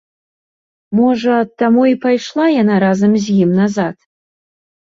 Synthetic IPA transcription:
moʐɐt̪ːamuipʰɑjʂlˠɑjanaɾazamzʲjimnazat̪

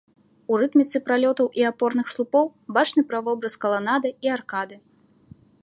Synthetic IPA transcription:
urɨt̪mʲit̪sɨpɾalʲɔt̪ɐwʔiapɔrnɨxslˠupɔwbat͡ʂnɨpɾɐvɔbɾɐskɐlˠanad̪ɨiarkad̪ɨ

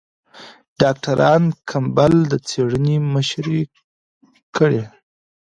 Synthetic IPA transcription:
ɖ̥ɑk̚ʈaɾʔɑnkʰambald̪ət͡seɽəniməʃɾe | kʰəɽe

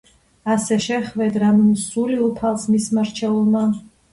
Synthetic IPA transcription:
asɛʃɛχvɛd̪ɾannsuliupʰalˠsmismaɾt͡ʃʰɛulˠma

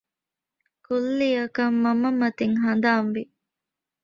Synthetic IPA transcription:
kulːiɐkɐmːɐmɐmɐt̪iŋɦɐn̆d̪aːnʋi

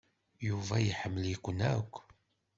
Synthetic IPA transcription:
juvæjħəmːəlikʷənækʷː

